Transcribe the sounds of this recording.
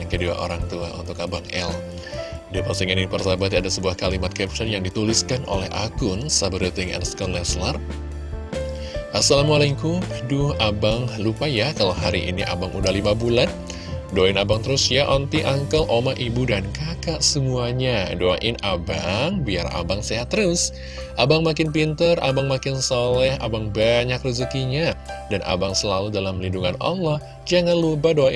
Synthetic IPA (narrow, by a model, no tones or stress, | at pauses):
jaŋkədua̰ʔoɾaŋt̪uaṵnt̪ʊkabaŋɛ̰l | dipasiŋəninipərsabat̪adasəbuahkalimat̪̚kɛp̚t͡ʃɔnjaŋdit̪uliskanʔo̰lɛhʔa̰ɡʊnsabəɾut̪ɪŋɛ̰nskɔnlɛslar | ʔasalamalakʊmduabaŋlupajakalaɦaɾiʔiniʔa̰baŋundalimabulan | doaɪnabaŋt̪əɾʊsjaʔɔnt̪iʔaŋkəlʔomaʔibudankakaʔsəmuaɲadoa̰ʔɪna̰baŋbia̰ra̰baŋseɦat̪ːəɾʊs | ʔabaŋmakɪnp̬int̪əra̰baŋmakɪnsolɛha̰baŋbaɲakrəzəkiɲadanʔa̰baŋsəlaludalamlinduŋana̰lːɔh | d͡ʒaŋanlubahdoaʔ